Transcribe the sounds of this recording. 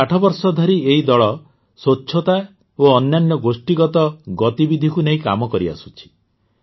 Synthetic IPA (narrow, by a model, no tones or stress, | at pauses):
aʈʰɔbɔɾsɔd̪ʱɔɾieɦid̪ɔɭɔ | sot͡ʃːʰɔt̪a | oɔnːanjɔɡosʈiɡɔt̪ɔɡɔt̪ibid̪ʱikuneɦĩka̰mɔkɔɾia̰sut͡ʃʰi̥